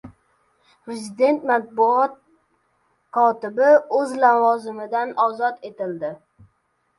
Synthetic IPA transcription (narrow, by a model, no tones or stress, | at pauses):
pɾezid̪e̞nt̪mat̪̚bʊɒt̪̚ | kʰɒt̪ɪbɪɵzlavɒzɪmɪd̪anɒzɒt̪ʰe̞t̪ɪld̪ɪ